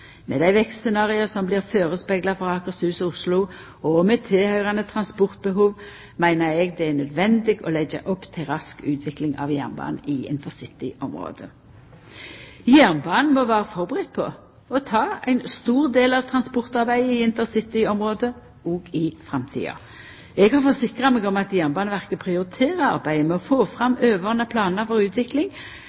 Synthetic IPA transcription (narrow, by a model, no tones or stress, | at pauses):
mɛːd̪æɪʋɛkst̪sɛnɑːʁɪəsɔmbliːʁføːʁəspɛɡlɑfɔʁɑːkəʁsʉːsɔʊslʊ | ɔmɛt̪ʰeːhœʏʁɑnət̪ʰʁɑnspɔʁt̪̚bəɦuːʋ | mæɪnəɾɛɡd̪ɛænœd̪ʋɛnd̪ɪɡɔ̰lɛɡə̰ʔɔpːt̪ʰɪlʁɑskʉːt̪ʰʋɪklɪŋɑ̰ʋjæ̰ʁnbɑ̰ːnɪɪ̰nt̪əʁsɪt̪ɪɔmʁo̰ːd̪ə | jæʁnbɑːnn̩mɔʋæːʁəfɔʁbəʁɪt̪̚ːpʰɔ | ɔt̪ʰɑːæɪnst̪uːʁd̪eːlɑʋt̪ʰʁɑnspɔʁt̪ɑʁbæɪəɪɪnt̪əʁsɪt̪ɪɔmʁoːd̪ə | ɔːɡɪfʁɑmt̪ʰḭːɑ̰ | ɛɡhɑʁfɔsɪkʁɑmɛɡɔmɑt̪jæʁnbɑːnəʋæʁkəpʰʁɪʊɾɪt̪ʰeːʁəɑ̰ʁbæɪəmɛɔfoːfʁɑmøːʋəʁnəpʰlɑːnəɾfɔʁʉːt̪ʋɪklɪŋ